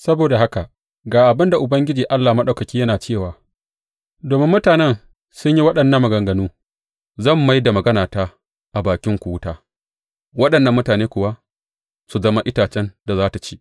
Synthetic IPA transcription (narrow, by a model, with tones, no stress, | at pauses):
sɐ˦boː˨da˨ɦa˦ka˨ | ɡaː˨ʔa˨bɪ˦nda˨ʔʊ˨bɐ˦ŋɡʲɪ˦d͡ʒiː˨ʔa˦lːaː˨mɐ˦ɗa˨kɐ˨kʲiː˦jɐ˦naː˨t͡ʃeː˦˨waː˨ | doː˨mɪ˦mːʊ˦taː˨nɛ˦n | sʊ˦ɲji˦wɐ˦ɗɐ˨nːɐ˦mːɐ˨ɡɐ˨ŋɡɐ˨nuː˦ | zɐ˦˨mːa˦jda˨mɐ˨ɡɐ˦naː˨taː˦ | ʔa˨baː˨kʲɪ˦ŋkʷu˨˦ʊ˦taː˦ | wɐ˦ɗɐ˨nːɐ˦mːʊ˦taː˨neː˦kʷʊ˨wa˦ | su˨zɐ˦ma˦ʔɪ˦taː˨t͡ʃɛ˦nda˨zaː˦ta˨t͡ʃi̥ː˦ʔ